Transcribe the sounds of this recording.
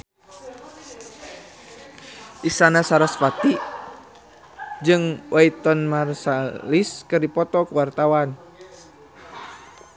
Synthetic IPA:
ʔisanasaɾɔsfat̪i | d͡ʒɨŋwʔait̪ɔnmarsaliskɨrdipɔt̪ɔkuwart̪awan

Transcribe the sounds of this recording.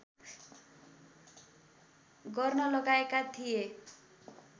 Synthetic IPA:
ɡʌrnʌlʌɡaekat̪ʰije

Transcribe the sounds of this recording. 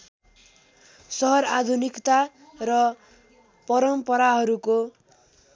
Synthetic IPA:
sʌɦʌɾad̪ʱunikt̪a | rʌ | pʌɾʌmpʌɾaɦʌɾuko

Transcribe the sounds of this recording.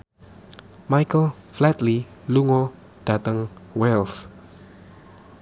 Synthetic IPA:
majkəlflɛt̪liluŋɔ | d̥ä̤t̪əŋwɛls

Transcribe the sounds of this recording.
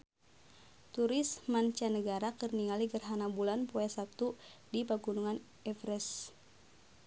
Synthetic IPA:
t̪uɾismant͡ʃanəɡaɾakɨrniŋaliɡərɦanabulanpoɛsap̚t̪udipaɡunuŋan | ɛfɾɛs

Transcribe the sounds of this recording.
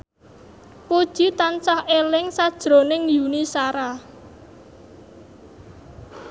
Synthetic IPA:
pod̥ʒ̥i̤t̪ant͡ʃahelɪŋsad̥ʒ̥ɾo̤nɪŋjunisaɾa

